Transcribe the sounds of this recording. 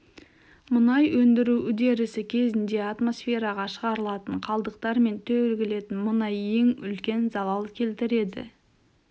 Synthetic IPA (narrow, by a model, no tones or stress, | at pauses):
mʊnɑjwɵnd̪ɪɾuʏd̪e̞ɾɪsɪkʲʰe̞zɪnd̪e̞at̪mo̞sfe̞ɾɑʁɑʃəʁɑɾəlˠɑt̪əɴqʰɑlˠd̪əq̚t̪ɑɾme̞nt̪ʰɵɾɡʲɪle̞t̪ɪnmʊnɑje̞ŋʏ̰lkʲe̞nzɑlˠɑlˠkʲʰe̞lt̪ɪɾe̞d̪ɪ̰